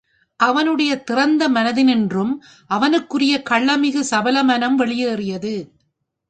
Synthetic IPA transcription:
ʔɐʋɐnɯɽɐjɐt̪ɪrɐnd̪ɐmɐnɐðɪnɛndrɯm | ʔɐʋɐnɯkːɯrɪjɐkɐɭːɐmɪɣɯsɐbɐlɐmɐnɐmʋɛɭɪjɯːrɪjɐðɯ

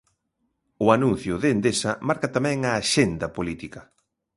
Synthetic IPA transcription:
ʊanũn̟θjʊðeːnd̪esɐmaɾkɐt̪amɛ̃ŋɐːʃend̪ɐpolit̪ikɐ

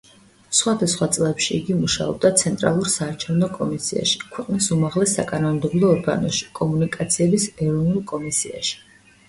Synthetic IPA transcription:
sχwad̪asχwat̪sʼlˠɛpʃiːɡimuʃa̰ɔ̰b̚d̪at̪sʰɛnt̪ʼɾa̰lˠuɾsaːɾt͡ʃʰɛvnɔkʼɔmisia̰ʃi̥kʰwɛqʼnisumaʁlɛsːakʼanɔmd̪ɛblˠɔːɾɡa̰nɔʃi̥kʼɔmunikʼat̪sʰiɛbisɛɾɔvnulˠkʼɔmisia̰ʃi̥

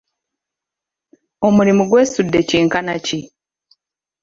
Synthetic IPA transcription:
omuɾimuɡwe̞ːsudːe̞ciːŋkanaci

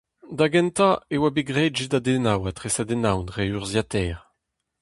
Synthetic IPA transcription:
d̪aɡɛ̃nt̪aewabeɡʁɛːdʒedadenawat̪ʁesad̪enawnʁeyʁzjat̪ɛːʁ

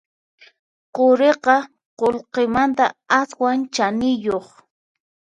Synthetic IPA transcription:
qoɾeqɑ | qolqemant̪aaswant͡ʃanɪjoχ

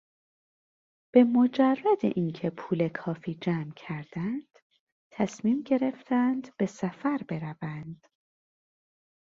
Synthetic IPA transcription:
b̥e̞mod͡ʒærːæd̪ḛʔincʰe̞pʰuːle̞kʰɒːfiːd͡ʒæːmcʰæɾd̪̥ænd̪̥ | t̪ʰæsmiːmɟe̞ɾe̞ft̪ʰænd̪b̥e̞sæfæɾbe̞ɾævænd̪̥

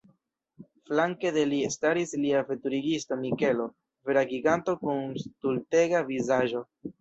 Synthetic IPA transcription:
flaŋke̞de̞liestaɾisliafetuɾiɡisto̞mike̞lo̞ | veɾaɡiɡanto̞kunstulte̞ɡavizaʒo̞

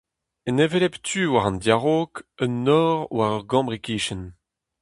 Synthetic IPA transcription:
ənevelɛptʰyːwaʁɑ̃nd̪jaʁoːkənːɔːʁwaʁœʁɡɑ̃bʁikiːʃən

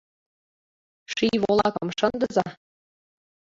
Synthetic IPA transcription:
ʃiβoolˠɑkɤ̆mʃɤ̆nd̪ɤzɑ

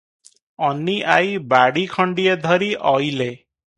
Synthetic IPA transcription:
ɔnːiʔajbaɽikʰɔɳɖijed̪ʱɔɾiʔɔjle

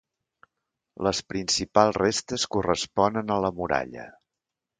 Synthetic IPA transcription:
ləspɾinsipalˠzrest̪əskurəspɔnənələmuɾa̰ʎə̰

